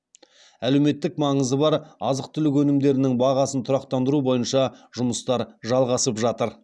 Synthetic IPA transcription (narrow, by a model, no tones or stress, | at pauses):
ælewme̞t̪ːɪkmɑɴəzəbɑɾɑzəq̚t̪ʰʏlɪkwɵnɪmd̪e̞ɾɪnɪŋbɑʁɑsənt̪ʰʊɾɑqt̪ɑnd̪əɾubo̞jənʃɑʒʊməst̪ɑɾʒɑlˠʁɑsəpʒɑt̪əɾ